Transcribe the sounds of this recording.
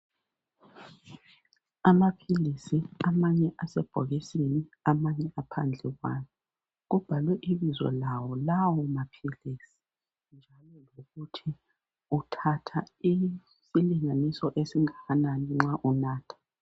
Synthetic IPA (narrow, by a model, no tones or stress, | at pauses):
amapʰilisiamaɲɛʔasɛb̥ʱoɣisiniamaɲɛʔapʰand͡ɮʱɛɣwanɔ | ɣub̥ʱalwɛʔiβizwɔ̰lawɔlawɔmapʰilisi̥ | nd͡ʒʱalɔloɣutʰi | utʰatʰai | siliŋanisɔʔesiŋananiŋ͡ǁaʔunaːtʰḁ